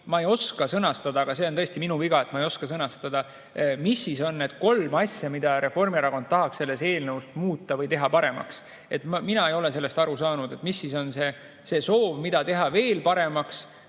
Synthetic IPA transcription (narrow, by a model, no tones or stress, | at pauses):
mɑejo̞skɑsɤnɑst̪ɑd̪ɑːɡ̥ɑse̞ːo̞nɤ̞est̪iminuviɡ̥ɑe̞t̪mɑejo̞skɑsɤnɑst̪ɑd̪̥ɑ | misːiso̞nːe̞d̪̥ko̞lmɑsʲjɑmid̪̥ɑɾe̞fo̞rmieɾɑko̞nd̪̥̚t̪ɑɦɑkse̞lːe̞se̞ːlnəust̪muːt̪ˑːɑvɤjt̪e̞ɦɑpɑɾe̞mɑ̰ks | e̞t̪mminɑe̞jo̞le̞se̞lːe̞st̪ɑɾusɑːnud̪e̞t̪misːiso̞nse | se̞so̞ːvmid̪̥ɑt̪e̞ɦɑve̞ːlpɑɾe̞mɑks